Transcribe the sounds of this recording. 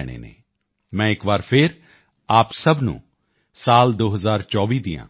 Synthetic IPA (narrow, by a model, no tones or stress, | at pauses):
ɽ̃ḛːnḛː | mɛ̃ːɪkʋaːɾpʰɪɾ | aːpsəbnṵ̃ː | saːld̪oːɦəzaːɾt͡ʃɔːʋiːd̪ijã̰ː